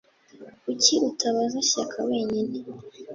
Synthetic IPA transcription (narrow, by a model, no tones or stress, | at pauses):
uciʔutʰaβazaʃakʰawe̞ːɲine